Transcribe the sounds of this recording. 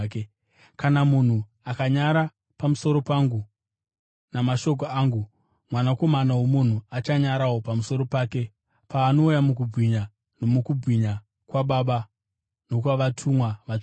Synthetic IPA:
ke | kanamun̤u | akaɲaɾa | pamuso̞ɾo̞paːŋɡu | namaʃo̞k̬oaːŋɡu | mwanako̞manawomun̤uat͡ʃaɲaɾawo̞pamuso̞ɾo̞paːke̞ | paːno̞ujamuk̬ub͡vɣiɲa | nomukub͡viɲa | kwaɓaɓa | no̞kwaʋatʰumwaʋat͡ʃ

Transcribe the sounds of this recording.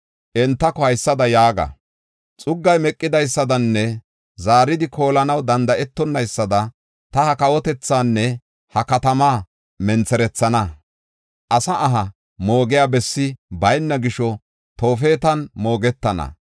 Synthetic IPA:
ʔɛnt̪ːɐkɔhɐjsːɐd̪ɐjaːɡɐ̰ | t͡sʼʊɡːɐjmɛkʼːɪd̪ɐjsːɐd̪ɐnːɛ | zaːɾɪd̪ɪko̞ːlɐnɐwd̪ɐnd̪ɐʔɛt̪ːɔnːɐjsːɐd̪ɐ | t̪ɐhɐkɐwɔt̪ɛt͡sːaːnːɛ | hɐkɐt̪ɐmaː | mɛnt͡sɛɾɛt͡sːɐnɐ | ʔɐsɐʔːɦɐ | mo̞ːɡɪjaːbɛsːɪbɐjnːɐɡɪʃɔ | t̪o̞ːfe̞ːt̪ɐnmo̞ːɡɛt̪ːɐnɐ̰

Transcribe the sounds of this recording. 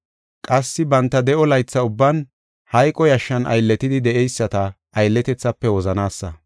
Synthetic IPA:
kʼɐsːɪbɐnt̪ːɐd̪ɛʔɔlɐjt͡sːɐʊbːɐn | hɐjkʼɔjɐʃːɐnʔɐ̰jlːɛt̪ɪd̪ɪd̪ɛʔɛjsːɐt̪ɐ | ʔɐjlːɛt̪ɛt͡sːɐpːɛwɔzɐnaːsːɐ

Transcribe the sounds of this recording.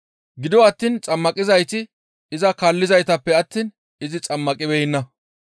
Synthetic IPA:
ɡɪd̪wɐt̪ːiːnt͡sʼɐmːɐkʼɪzɐjt̪ɪ | ɪzɐkaːlːɪzɐjt̪ɐpːɛɐt̪ːiːn | ɪzɪt͡sʼɐmːɐkʼɪbɛjɪnːɐ

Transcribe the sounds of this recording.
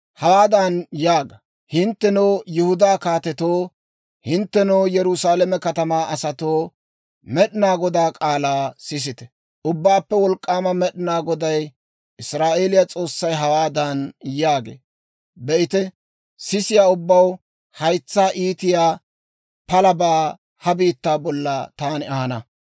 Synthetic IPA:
hɐwaːd̪ɐnjaːɡɐ | hɪnt̪ːɛnoːjʊhʊd̪aːkaːt̪ɛt̪oː | hɪnt̪ːɛnoːjɛɾʊsaːlɛmɛkɐt̪ɐmaːʔɐsɐt̪oː | mɛɗɪnaːɡɔd̪aːkʼaːlaːsɪs̬ɪt̪ɛ̥ | ʔʊbːaːpːɛwɔlkʼːaːmɐmɛɗɪnaːɡɔd̪ɐj | ʔɪsɾaːʔe̞ːlɪjat͡sʼo̞ːsːɐjɦɐwaːd̪ɐnjaːɡḛː | bɛʔɪt̪ɛ | sɪsɪjaːʊbːɐw | hɐjt͡sːaːʔiːt̪ɪjaː | pɐlɐbaː | hɐbiːt̪ːaːbɔlːɐt̪aːnɪɐhɐnɐ

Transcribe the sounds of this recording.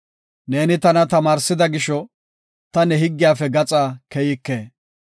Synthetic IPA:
ne̞ːnɪt̪ɐnɐt̪ɐmaːɾsɪd̪ɐɡɪʃɔ | t̪ɐnɛɦɪɡːɪjaːfɛɡɐt͡sʼaːkɛjɪkːeː

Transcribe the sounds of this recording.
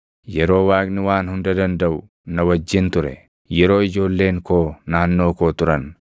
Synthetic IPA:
jɛɾo̞ːwaːkʼnɪwaːnhʊnd̪ɐd̪ɐnd̪ɐʔʊ | nɐwɐd͡ʒːɪnt̪ʊɾɛ̰ | jɛɾo̞ːɪd͡ʒo̞ːlːe̞ːŋkoːnaːnːo̞ːkoːt̪ʊɾɐn

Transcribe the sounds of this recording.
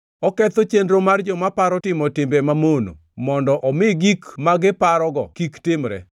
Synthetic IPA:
ɔkɛt̪ot͡ʃendɾomard͡ʒɔmapaɾɔtɪmɔtɪmbɛmamono̰ | mɔndɔʔɔmɪɡikmaɡɪpaɾɔɡɔkiktɪmɾɛ̰

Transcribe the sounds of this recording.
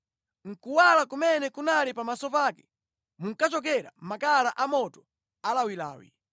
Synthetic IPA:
ŋ̩kuwalakumɛnɛkunalipamasɔpaːkɛ̥ | muŋ̩kat͡ʃɔk̬ɛɾa̰makalaʔamɔtɔ̥ | alawila̰ːwḭ

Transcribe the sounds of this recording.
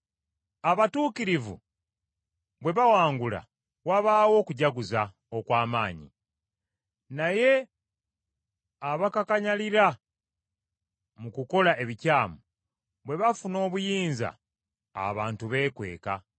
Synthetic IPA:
aβatuːkiɾivṵ | βwe̞βawaːŋɡula̰ | waβaːwo̞ːkuɟaɡuza | okwaːmaːɲḭ | naje̞ | aβakakaɲaliɾa | mukuko̞laʔe̞βicaːmu | βwe̞βafuno̞ːβujiːnza̰ː | βaːntuβe̞ːkwe̞̰ːka̰

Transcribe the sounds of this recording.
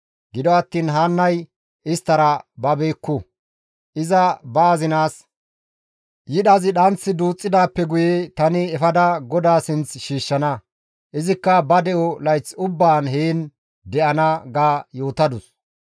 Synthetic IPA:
ɡɪd̪ɔɐt̪ːiːnɦaːnːɐj | ɪst̪ːɐɾɐbɐbeːkːʊ | ʔɪzɐbɐːzɪnaːs | jɪɗɐzɪɗɐnt͡sːɪd̪uːt͡sʼːɪd̪aːpːɛɡʊjet̪ɐnɪɛfɐd̪ɐɡɔd̪aːsɪnt͡sʃiːʃːɐnɐ | ʔɪzɪkːɐbɐd̪ɛʔɔlɐjt͡sʊbːaːnɦeːn | d̪ɛʔɐnɐɡaːjo̞ːt̪ɐd̪ʊs

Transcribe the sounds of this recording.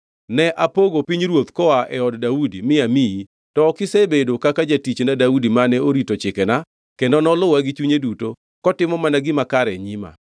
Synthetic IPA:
nɛʔapoɡopiɲɾwot̪kɔaʔɛɔddaudimɪamii | tɔːkɪsebedokakad͡ʒatit͡ʃnadaudimanɛoɾitot͡ʃɪkɛna | kendɔnɔlʊwaɡɪt͡ʃuɲeduto | kɔtɪmɔmanaɡɪmakaɾɛɲima̰

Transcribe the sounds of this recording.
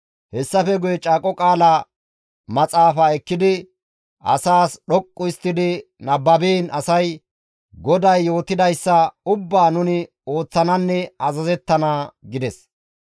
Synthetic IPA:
hɛsːɐfɛɡʊjɛt͡ʃʼaːkʼɔkʼaːla | mɐt͡sʼaːfaɛkːɪd̪ɪ | ɐ̰saːsɗɔkʼːʊɪst̪ːɪd̪ɪnɐbːɐbiːnʔɐsɐj | ɡɔd̪ɐjːo̞ːt̪ɪd̪ɐjsːɐʊbːaːnʊnɪ | o̞ːt͡sːɐnɐnːɛɐzɐzɛt̪ːɐnaːɡɪd̪ɛs

